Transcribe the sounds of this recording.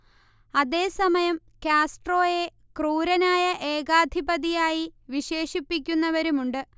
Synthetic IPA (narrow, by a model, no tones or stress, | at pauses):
ɐðe̞ːsɐmɐjɐm | kʲjaːsʈro̞ːje̞ | kruːɾɐnaːjɐʔe̞ːɣaːd̪ʱibɐðijaːjiʋiɕe̞ːʂipːikʲːunːɐʋɐɾumuɳɖɨ